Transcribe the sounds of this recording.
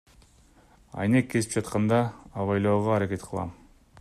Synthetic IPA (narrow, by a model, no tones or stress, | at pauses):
ɑ̰jnekʰːezi̥p̚d͡ʒɑt̪qɑnd̪ɑːβɑjlˠoːʁoɑɾake̞t̪qʰəlˠɑ̰m